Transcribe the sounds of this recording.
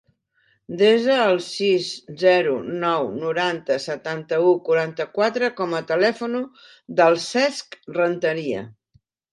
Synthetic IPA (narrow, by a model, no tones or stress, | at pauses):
d̪ezəːlˠsizzɛɾṵnɔwnuɾant̪əsət̪ant̪əukuɾant̪əkwat̪ɾəkɔmət̪əlɛfunu | ðəlˠsɛskrənt̪əɾiə̰